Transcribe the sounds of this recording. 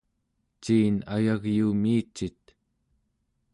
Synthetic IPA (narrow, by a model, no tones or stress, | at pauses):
t͡ʃiːna̰jaɣjuːmiːt͡ʃːit̪̚